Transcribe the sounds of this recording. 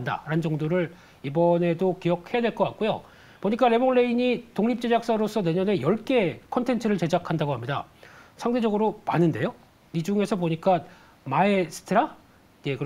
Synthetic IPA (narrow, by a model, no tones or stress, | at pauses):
nda̰ɾanɯnd͡ʑʌŋdoɾɯɭ | ibʌne̞dokijʌk̚he̞jadwe̞ɭk͈ʌk͈at̚k͈ujo̰ | poɲik͈aɾe̞boŋɭe̞iɲitoŋɲip̚t͡ɕ͈e̞d͡ʑak̚s͈aɾos͈ʰʌne̞ɲʌne̞jʌɭk͈e̞kʰʌntʰe̞nt͡ɕʰɯɾɯɭt͡ɕe̞d͡ʑakʰandaɡoɦamɲida̰sʰaŋde̞d͡ʑʌɡɯɾomanɯnde̞jo | id͡ʑuŋe̞sʰʌboɲik͈a | maesʰɯ̥tʰɯɾa | e̞kɯ